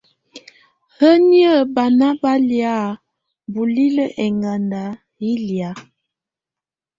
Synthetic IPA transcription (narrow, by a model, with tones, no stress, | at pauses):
hə˦ni˦ə˦˨ba˨na˦ba˦lja˦˨ | bu˨li˦lə˦ʔɛ˨ŋɡa˨nda˨˦ | i˦lja˨˦